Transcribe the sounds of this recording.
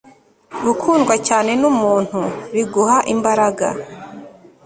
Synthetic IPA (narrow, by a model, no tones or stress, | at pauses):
ɡukʰuːnɡwacaːne̞numuːn̥huβiɡuɦaʔimbaɾaɡa̰